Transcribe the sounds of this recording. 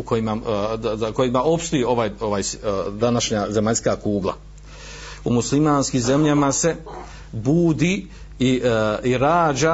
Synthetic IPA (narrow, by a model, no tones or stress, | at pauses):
ukʰo̞jimaako̞jimaʔo̞pst̪ojeo̞ʋaːjo̞ʋaːjsd̪anaʃɲaze̞maʎʲskaːkuːɡlˠa̰ | umuslimaːnskimze̞mʎamase̞ | buːd̪i | iiɾaːd͡ʑa